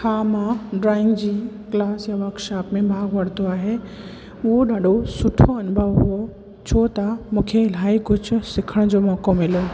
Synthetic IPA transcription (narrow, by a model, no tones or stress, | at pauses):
haːmãɖɾaːɪ̃ŋɡd͡ʑiː | klaːsjaʋakʃaːpmẽbʱaːɡʋɐɽ̤t̪oaːɦe | ʊoɖaːɖosʊʈʰoɐnʊbʱəʋɦo | t͡ɕʰoːt̪amũːkʰel̤aːikʊt͡ɕʰʊsɪkʰəɽ̃d͡ʑoːmɔːkomɪlo